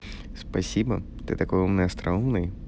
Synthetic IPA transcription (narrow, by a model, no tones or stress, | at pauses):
spɐsʲibɐ̰ | t̪ɪ̰t̪ɐkɔjɔmnɛɐst̪ɾɐɔʋnɐj